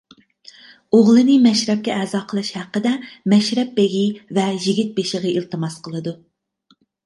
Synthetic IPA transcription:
oʁlˠɨnɨmɛʃɾɛp̚kʲɛʔɛːzɑːqʰəlˠɨʃhæqːəd̪ɛmɛʃɾɛp̚beɡʲivɛjiɡʲit̪̚beʃəʁəilˠt̪ɨmɑsqʰəlˠɨd̪u

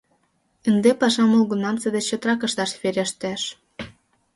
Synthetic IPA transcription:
ənd̪epɑʃɑmolɣunɑmt͡sə̆d̪et͡ɕːot̪əɾɑkə̆ʃt̪ɑʃβeɾʲəʃt̪æʃ

